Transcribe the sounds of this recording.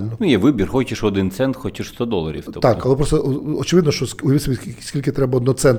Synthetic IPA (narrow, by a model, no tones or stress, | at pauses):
lʲnɔnjɛʋɪbʲirxɔt͡ʃɪʃʋɔd̪ɪnt̪sɛnt̪xɔt͡ʃɪʃst̪ɔd̪ɔlˠɐɾʲḭwt̪ɔt̪akɐlˠɛpɾɔst̪ɔɔt͡ʃɪʋɪd̪nɔʃt͡ʃɔsʊjɐɪtsʲɔbʲisʲkʲilʲkɪt̪ɾɛbɐɔd̪nɔt̪sɛnt̪